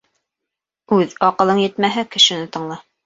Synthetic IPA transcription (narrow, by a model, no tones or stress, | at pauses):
ʉðɑqɤ̆lˠɤŋjɘ̆t̪mæɦækɘ̆ʃɘ̆nɘt̪ɤ̆ɴlˠɑ